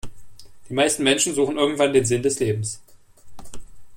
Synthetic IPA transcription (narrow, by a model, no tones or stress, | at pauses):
d̥iːmaɪstn̩mɛnʃn̩zuːχn̩ʔɪɐɡŋ̩tv̥andeːnzɪndɛsleːbm̩s